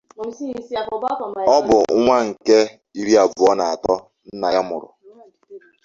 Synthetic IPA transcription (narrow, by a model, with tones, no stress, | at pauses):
ɔ˦bʊ˨˦ŋʷa˦ŋ̩˨ke˦ | i˦ɾi˦a˨bʊ˨ɔ˦na˨a˨tɔ˦ | n̩˦na˨ja˦mʊ˨ɾʊ̰˨